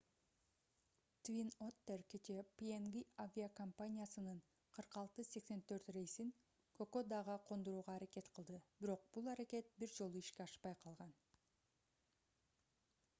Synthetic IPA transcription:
t̪vʲinot̪ːerket͡ʃe̞pienɡiavʲiakɐmpanʲijasɯnɯɴ | qʰɯɾqɑlˠt̪ɯse̞kse̞nt̪ʰø̞ɾt̪re̞jsiŋ | kʰokod̪ɑʁɑqʰo̞nd̪oɾuːʁɑːɾake̞t̪qʰɯlˠd̪ɯbiɾo̞q̚b̥ulˠɑɾake̞t̪̚biɾd͡ʒo̞lˠuiʃke̞ɑʃpɑjqʰɑlˠʁɑn

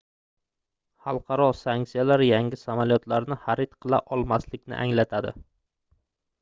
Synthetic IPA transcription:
hɑlˠqʰɑɾɒsaŋk̪sijalaɾjaŋʲɪsamalijɒt̪ʰlaɾnɪhaɾɪt̪qʰɨlˠa̰ʔɒlˠmaslɪkʲnɪ̰ʔa̰ŋlat̪ʰad̪ɪ̰

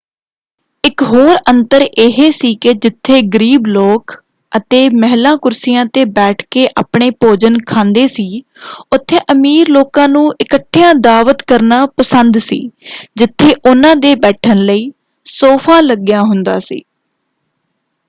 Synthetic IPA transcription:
ɪkɦoːɾənt̪əɾeːɦeːsiːkɪd͡ʒɪt̪ʰːeːɡəɾiːbloːk | ət̪eːmɛɦlãːkʊɾsɪjãːt̪eːbɛːʈʰkeːʔa̰ːpɳeːpoːd͡ʒənkʰãːnd̪eːsiː | ʊt̪ʰːeːʔəmiːɾloːkãːnũːʔɪkəʈʰːɪjãːd̪aːʋət̪kəɾnaːpəsənd̪sḭːd͡ʒɪt̪ʰːeːʔʊnãːd̪eːbɛːʈʰənləiː | soːpʰãːləɡjãːɦʊnd̪a̰ːsḭː

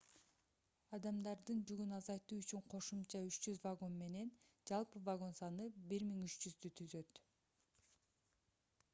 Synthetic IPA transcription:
ɑd̪ɑmd̪ɑɾd̪ɯnd͡ʒyɡynɑzɑjt̪uːyt͡ʃyɴqʰo̞ʃumt͡ʃɑyt͡ʃd͡ʒyzvaɡo̞nme̞ne̞n | d͡ʒɑlˠpɯvaɡo̞nsɑnɯbiɾmiŋyt͡ʃd͡ʒyzd̪yt̪ʰyzø̞t̪

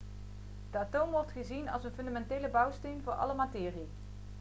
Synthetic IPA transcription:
d̥əaːtowmʋɔrtχəzinɑ̰lˠsənfɵndamɛntejləbɑwstejnvʊːɹʔɑ̰ləmatɪːri

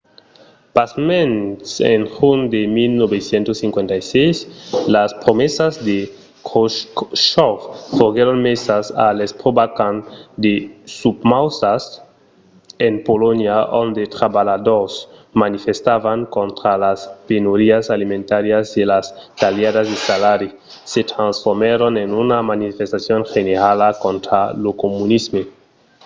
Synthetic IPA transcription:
pasmẽnsḛnxund̪emilnoβesjent̪osĩŋkwent̪ajsejslaspɾomesazd̪e | koʃɔffoɣeɾonmesasa̰lespɾobakãnd̪esubmawsas | enpolonjaʔond̪et̪ɾaβalad̪oɾsmanifest̪aβaŋkont̪ɾalaspenoɾiasalimẽnt̪aɾjazdelast̪aljaðazd̪esalaɾi | set̪ɾãnsfoɾmeɾonenunamanifest̪asjonxeneɾalakõnt̪ɾalokomunizme

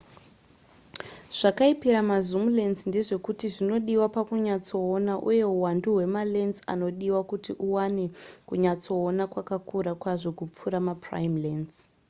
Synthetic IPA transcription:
ʐ̥akaipiɾamazumulenzndeʐe̞kutiʐino̞ɗiwapakuɲat͡so̞ːnaʔuje̞ɦuwanduɦwe̞malenza̰no̞ɗiwakutiʔuwanekuɲat͡so̞ːnakwakakʰuɾakwaʐo̞kup͡fuɾamapra̰imlens

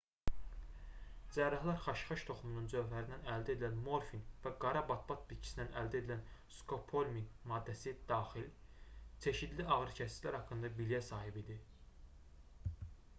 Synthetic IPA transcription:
d͡ʒæɾɑhlˠɑɾχɑʃχɑʃt̪ʰo̞χumununzø̞vlæɾind̪ænæld̪æe̞d̪ilænmo̞ɾfinvæɡɑɾɑbɑt̪̚bɑt̪̚bit̪t͡ʃʰi̥inænʔæld̪æe̞d̪ilænskʰo̞pʰo̞lʲminmɑːd̪ːæsid̪ɑːxilt͡ʃʰe̞ʃid̪liɑɣɾɯcʰæsi̥zlæɾhɑkʰːɯnd̪ɑbilijæsɑːhibid̪i

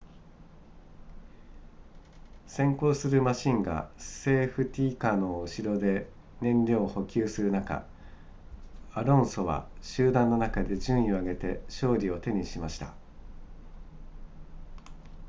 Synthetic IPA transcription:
sẽ̞ŋko̞ːsɨɾɯ̟maɕĩŋɡa̰̥se̞ːɸɯ̟t̪ʲiːkano̞ɯɕiɾo̞d̪e̞ | nẽ̞nɾʲo̞ːho̞kʲɨːsɨɾɯ̟naka̰ | aɾõ̞ɰ̃so̞βa̰ɕɨːd̪ãnːo̞nakad̪e̞ʑɨ̃ɰ̃ĩo̞aɡe̞t̪e̞ɕo̞ːɾʲio̞t̪e̞ɲ̟iɕimaɕi̥t̪a̰

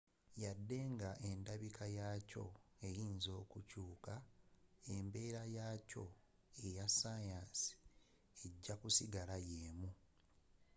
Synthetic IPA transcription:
jadːe̞ŋɡaʔe̞ndaβikʰajaːco̞̰e̞jiːnzo̞ːkucuːka | embe̞ːɾajaːco̞ | e̞jasajaːnsi̥ | e̞ɟːakusiɡalajeːmu

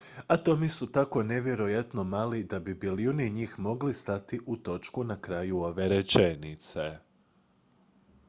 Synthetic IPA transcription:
at̪o̞misut̪ako̞ne̞ʋje̞ɾo̞jat̪no̞maːlid̪abibiliuniɲiːxmo̞ɡlist̪at̪iʔut̪o̞t͡ʃkunakɾajuo̞ʋe̞ɾet͡ʃenit̪se

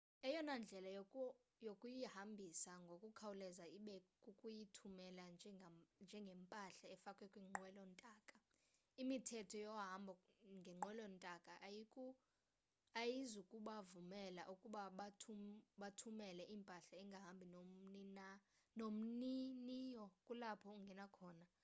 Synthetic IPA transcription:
ɛjɔnand͡ɮʱɛlaj | jokʼujihambʱisaŋɡʱokʼukʰawulɛzaiɓɛkʼukʼujitʰumɛland͡ʒʱɛnd͡ʒʱɛŋɡʱɛmpʼaɬaɛfakʼwɛkʼwiŋ͡ǃwɛlɔntʼaːkʼa | imitʰɛtʰɔjɔɦambʱɔŋɡʱɛŋ͡ǃwɛlɔntʼakʼaʔajikʼu | ajizukʼuɓavumɛla̰ʔukʼuɓaɓatʰuɓatʰumɛlɛʔimpʼaɬaɛŋɡʱaɦambʱinonina | nom̩ninijɔkʼulapʰɔuŋɡʱɛnakʰɔːna

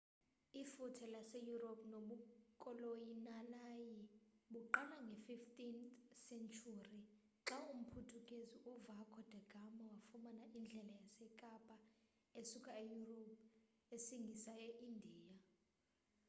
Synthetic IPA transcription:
ifutʰɛlasejuropʰʼnoɓukʼɔlojinanajiɓuǃalaŋɡʱɛfiftʼinsɛnt͡ʃʰʼuri | ǁaum̩pʰutʰukʼeziʔuvakʰɔd̥ʱɛɡ̥ʱamawafumanaʔind͡ɮʱɛlajasɛkʼapʼa | esukʼaejurop̚ʰ | esiŋɡʱisajeʔindʱiːja

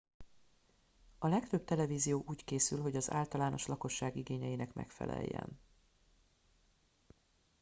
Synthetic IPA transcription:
ɒlɛkt̪øb̚t̪ɛlɛviːzijoːʔuːckeːsylɦo̞ɟɒza̰ːlt̪ɒlaːno̞ʃlɒko̞ʃːaːɡiɡeːɲɛjinɛkmʔɛ̰kfɛ̰lɛ̰jːɛ̰n

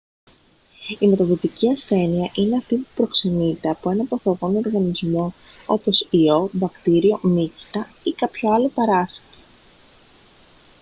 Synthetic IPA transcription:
ime̞t̪ɐðot̪iciɐsθe̞niɐʔine̞ɐft̪ipupɾo̞kse̞nit̪e̞ɐpo̞e̞nɐpoθoɣo̞noɾɣɐnizmo̞ | o̞̰po̞sio̞bɐkt̪iɾio̞mici̥t̪ɐ | ikɐpço̞ɐlo̞pɐɾɐse̥t̪e

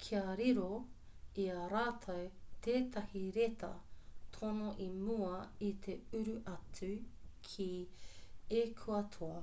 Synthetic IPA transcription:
kʰiɐɾiɾo | iɐɾaːtʰɐwt̪eːt̪ʰɐhiɾetʰɐ̰tʰonoʔimuɐit̪ʰe̞ʉɾʉʔɐtʉkʰi | ekʰuɐtʰoɐ

